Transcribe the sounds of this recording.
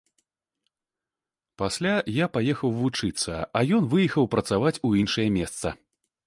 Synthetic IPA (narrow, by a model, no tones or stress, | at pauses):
pasʲlʲajapajɛxɐwvut͡ʂɨt̪sɐ̰ajɔnvɨjixɐwpɾɐt̪savat͡sʲuinʂɐjɐmʲɛst̪sɐ̰